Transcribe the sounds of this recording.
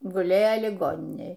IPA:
ɡʊˈlʲeːjɛ lʲɪˈɡoːnʲɪnʲeːj

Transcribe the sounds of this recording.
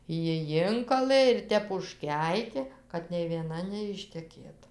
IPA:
ˈjɪ ˈjɪŋkɐlˠɘ ɪr ˈtʲɛp ʊʃʲˈkʲɛɪkʲeː kɐt nʲɛɪ ʋʲiɛˈnɐ nʲɛɪʃʲtʲɛˈkʲeːt

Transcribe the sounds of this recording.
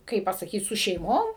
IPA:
ˈkɐɪp pɐsɐˈkʲiːt sʊ ʃʲɛɪˈmoːm

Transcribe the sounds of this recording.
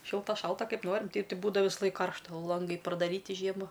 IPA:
ˈʃʲɪlˠtɐ ˈʃɐlˠtɐ ˈkɐɪp ˈnoːrʲɪm ˈtʲɛɪp ˈtɐɪ ˈbuːdɐw ʋʲɪsɐˈlˠɐɪk ˈkɐrʃtɐ ˈlˠɐŋɡɐɪ prɐdɐˈrʲiːtʲɪ ˈʒʲiɛmɐ

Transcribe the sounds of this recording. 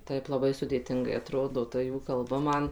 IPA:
ˈtɐɪp lˠɐˈbɐɪ sʊdʲeːˈtʲɪŋɡɐɪ ɐˈtroːdoː ˈtɐ ˈjuː ˈkɐlˠbɐ ˈmɐn

